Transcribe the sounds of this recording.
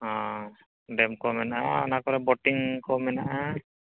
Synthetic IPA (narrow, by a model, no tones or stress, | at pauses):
ɔ̃ | ɖɛmkɔmɛnaʔaɔnakɔɾɛbɔʈiŋkɔmɛnaʔa